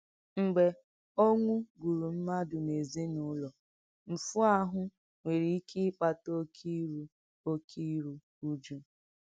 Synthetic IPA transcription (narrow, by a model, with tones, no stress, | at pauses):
ŋ͡m̩˨ɡ͡be˨ | o˦ŋʷu˦ɡu˨ɾu˨m̩˦ma˦dʊ˨ne˨zi˦nʊ˦lɔ˨ | m̩˨fu˦a˦ɦʊ˦ | ŋʷe˨ɾi˨i˦kʰi˦k͡pa˨to˦kʰi˦ɾu˨ | o˦kʰi˦ɾu˨ | u˦d͡ʒu˦